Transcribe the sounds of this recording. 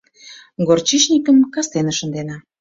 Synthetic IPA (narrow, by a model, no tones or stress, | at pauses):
ɡort͡ɕiʃnʲikəmkɑst̪enə̆ʃə̆nd̪enɑ